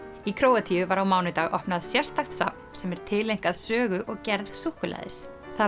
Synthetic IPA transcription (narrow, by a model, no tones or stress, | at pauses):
ikʰɾoːwat̪ʰiʏvaɾawmaːwnʏt̪aːɣʔɔhpnaðsjɛr̥st̪axt̪sa̰p̚n̥sɛmɛɾ̥t̪ʰɪlejŋ̥kaðsœːɣʏʔɔɣcɛɾðsuhkʏla̰ðɪ̰s | θa